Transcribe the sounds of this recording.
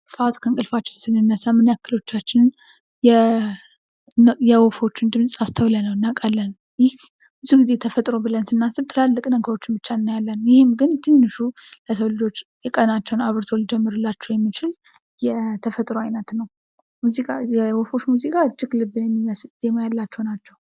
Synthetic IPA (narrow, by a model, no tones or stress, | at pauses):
t̪ʼaat̪kʰəŋkʼɨlfat͡ʃːɛ̥nsɨnːɨnːəsamɨnjakːɨlo̞t͡ʃːat͡ʃːɪnn | jɛ | jɛwofo̞t͡ʃːɪnd̪ɨmsʼast̪ʰəwlənəwnːakʼalːən | jɪh | bɨzuɡize̞t̪ʰəfət̪ʼɾobɨlənsɨnːasɨbt̪ʰɨlalːɨkʼnəɡəɾo̞t͡ʃːɪnbɨt͡ʃːaɨnːajalːənjɪhɪmɡɨnt̪ʰehnːɨʃuləsəwlɨd͡ʒo̞t͡ʃ̪ː | ɨkʼənat͡ʃːɛwnaβɨɾt̪ʰo̞lid͡ʒɛmːɨɾɨlːat͡ʃːɛwjɛmːit͡ʃɪl | jɛt̪ʰəfət̪ʼɾoajnət̪nəw | muzikʼajɛwofo̞t͡ʃːmuzikʼaɨd͡ʒːɪɡlɨbːɨnjɛmːiməsd̪emajalːat͡ʃːɛwnat͡ʃːɛw